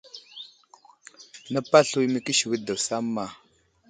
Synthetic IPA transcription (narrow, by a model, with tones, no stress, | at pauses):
na˦pa˦ɬu˨i˨˦mi˨ki˦ʃi˨wi˦da˨wsa˦mːa˨